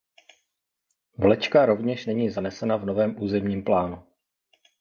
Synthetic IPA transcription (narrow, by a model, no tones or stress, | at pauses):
vlɛt͡ʃkaɾo̞vɲɛʃnɛɲiːzanɛsɛnavno̞vɛːmʔuːzɛmɲiːmplaːnu